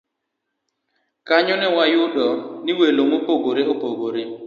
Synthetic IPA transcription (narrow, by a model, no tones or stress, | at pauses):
kaɲɔnɛwajʊdɔniwelomopoɡoɾeopoɡoɾe